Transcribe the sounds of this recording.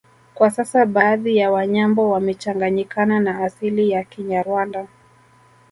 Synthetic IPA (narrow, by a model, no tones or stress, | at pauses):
kwasasaɓaːðijawaɲambɔwamɛt͡ʃaŋɡaɲikananaːsilijakiɲaɾwanda